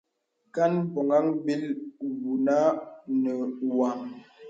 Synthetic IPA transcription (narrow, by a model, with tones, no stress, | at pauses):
ka˦npɔ˨ŋa˦ŋbi˦lbu˨na˦nə˨wa˨ŋ